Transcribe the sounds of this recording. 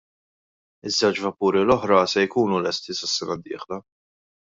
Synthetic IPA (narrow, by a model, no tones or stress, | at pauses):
ɪzːɛwt͡ʃvɐpuːɾilɔħɾɐsɛjkuːnulɛst̪isɐsːɛnɐd̪ːɪ̰ːħlɐ